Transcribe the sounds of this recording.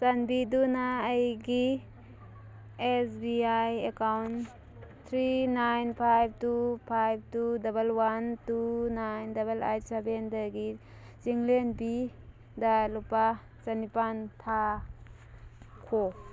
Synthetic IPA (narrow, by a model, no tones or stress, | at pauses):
sanbidunaːjɡi | esbiajekawn | t̪ʰɾinajnpʰajb̚tupʰajb̚tudɐbɐlwantunajndɐbɐla̰jsebendɐɡi | t͡ʃiŋlenbi | dalupa | t͡ʃɐnipantʰa | kʰo